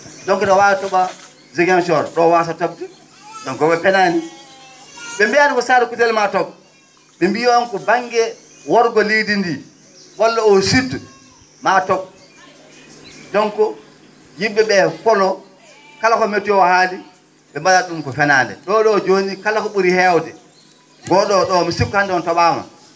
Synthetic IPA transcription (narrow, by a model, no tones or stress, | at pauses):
dɔŋkɔɗɔwaatɔɓa | zɛɡɛnʃ̬ɔɾɗɔwas̬atɔb̚di | dɔŋkɔɓɛpɛnani | ɓɛmbijadifɔsaːɾɛkutɛlmatɔk | ɓɛmbiwankɔbaŋɡɛ | wɔɾɡɔlidindi | wɔlːaɔsid | matɔb̚ | dɔŋkɔ | jiːɛɓɛfɔlɔ | kalakɔmetːuwahali | ɓɛmbalaɗumkɔfɛnaːndɛ̰ɗɔɗɔːd͡ʒoːnikalakɔɓuɾihɛwdɛ | ɡɔɗɔɗɔmisib̚khandɛɔntɔɓaːma̰